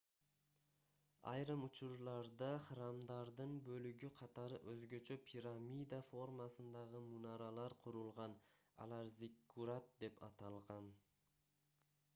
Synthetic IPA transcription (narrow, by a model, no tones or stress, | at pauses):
ɑ̰jɾɯmʊt͡ʃʊɾlˠɑɾd̪ɑχɾɑmd̪ɑɾd̪ɯnbɵlyɡʲyqʰɑt̪ɑɾɯʔɵzɡøt͡ʃʰøpʰʲiɾamʲijd̪afo̞ɾmasɯnd̪ɑʁɯmunɑɾɑlˠɑɾqʰʊɾulˠʁɑnɑ̰lˠɑɾzikːuɾat̪̚d̪e̞pɑt̪ɑlˠʁɑn